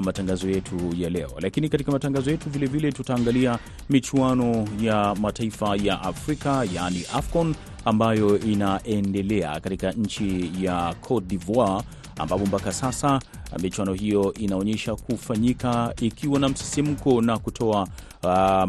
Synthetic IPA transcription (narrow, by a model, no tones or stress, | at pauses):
mataŋɡazɔjɛtʰujalɛ̰ɔ̰lakinikatikamataŋɡazɔjɛtuvilɛvilɛtutaːŋɡalia | mit͡ʃuanɔjamataifajaʔafɾikajaniʔafkɔn | ambajɔʔinaʔɛndɛlɛa̰katikaɲ̩t͡ʃijakʰɔdivwa | a̰mbapɔmpakasasamit͡ʃuwanɔɦijɔʔinaɔɲɛʃakufaɲikaikiwanam̩si̥sim̩kɔnakutʰɔa